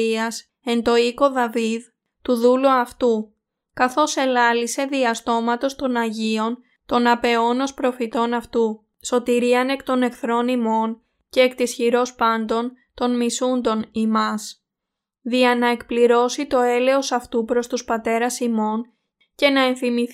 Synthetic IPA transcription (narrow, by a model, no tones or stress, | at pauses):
iɐs | e̞nt̪o̞iko̞ðɐvið | t̪uðuluɐft̪u | kɐθo̞se̞lɐlise̞ðiɐst̪o̞mɐt̪o̞st̪o̞nɐʝio̞n | t̪o̞nɐpe̞o̞no̞spɾo̞fit̪o̞nɐft̪u | so̞t̪iɾiɐne̞kt̪o̞ne̞kθɾo̞nimo̞n | ce̞ːkt̪isçiɾo̞spɐnd̪o̞n | t̪o̞nmisund̪o̞nimɐs | ðiɐnɐe̞kpliɾo̞sit̪o̞e̞le̞o̞sɐft̪upɾo̞st̪uspɐt̪e̞ɾɐsimo̞n | ce̞nɐe̞nθimiθ